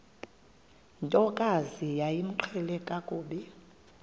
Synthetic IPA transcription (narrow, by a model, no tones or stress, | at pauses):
ntʼɔkʼazijajim̩ǃʰɛlɛkʼakʼuːɓɛ